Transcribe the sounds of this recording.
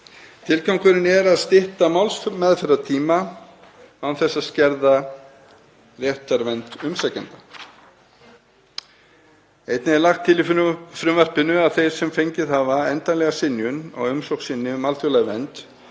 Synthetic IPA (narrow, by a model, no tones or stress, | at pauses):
t̪ʰɪlkawŋkʏɾɪnɛɾaðst̪ɪht̪amawlsfmɛðfɛɾat̪ʰiːma | anθɛsːaðscɛɾða | rjɛht̪aɾvɛnt̪ʏmsacɛnt̪ḁ | ejt̪nɪɛɾlaxt̪ʰːɪlɪffɾʏmvɛr̥pɪnʏaðθejɾ̥sɛmfejɲcɪðhavaɛnt̪anlɛɣasɪnjʏnɔ̰ɣʏmsowksɪnːɪmalt̪ʰʏlaɣvɛnt̪